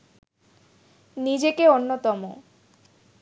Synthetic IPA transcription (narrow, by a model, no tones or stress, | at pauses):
nid͡ʑekeonːot̪ɔmo